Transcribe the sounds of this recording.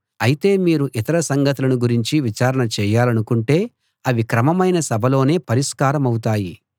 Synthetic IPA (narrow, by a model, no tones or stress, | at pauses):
ɐjit̪e̞ːmiːɾuʔit̪ɐɾɐsɐŋɡɐt̪ulɐnuɡuɾiɲt͡ʃiʋit͡ʃaːɾɐɳɐt͡ʃɛːjaːlɐnukuɳʈe̞ː | ɐʋikɾɐmɐmɐjnɐsɐbʱɐlo̞ːne̞ːpɐɾiskaːɾɐmɐwut̪aːji